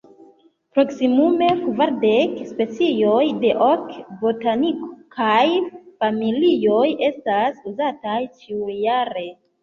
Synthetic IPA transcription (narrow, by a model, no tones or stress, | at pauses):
pɾo̞ksimume̞vaɾde̞kspe̞t͡sijo̞jde̞ʔokbotaniko̥kʰajfamilio̞je̞stasuzatajt͡ʃiujaɾe̞